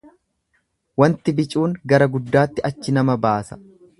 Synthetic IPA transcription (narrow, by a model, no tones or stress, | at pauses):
wɐnt̪ɪbɪt͡ʃʼuːŋɡɐɾɐɡʊd̪ːaːt̪ːɪʔɐt͡ʃːɪnɐmɐbaːsɐ̥